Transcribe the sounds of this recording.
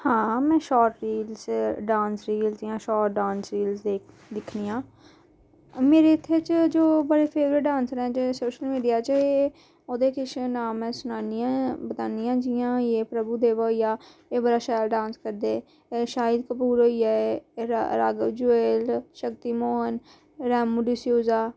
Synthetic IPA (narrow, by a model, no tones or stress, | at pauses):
hãːmɛ̃ːʃɔːʈɾiːlsɖãːnsɾiːlzd͡ʒiːãːʃɔːʈɖãːnsɾiːlsd̪eː | d̪ɪkʰniːãː | meːɾeːɪt̪ʰːet͡ʃd͡ʒoːbəɽeːpʰeːʋɾəʈɖãːnsɾɛ̃ːd͡ʒeːsoːʃəlmiːɖijaːt͡ʃəeː | oːd̪eːkɪʃnaːmɛ̃ːsʊnaːnɪjãbət̪aːnijãːd͡ʒiːãːeːpɾəbuːd̪eːʋaɦijaːeːbəɾaːʃaːjlɖãːnskəɾd̪eː | ʃaːɪd̪kəpuːɾɦoːiaːe | ɾa̰ːɡəʋd͡ʒʊeːlʃək̚t̪iːmoːɦən | ɾɛːmːuɖisjoːzaː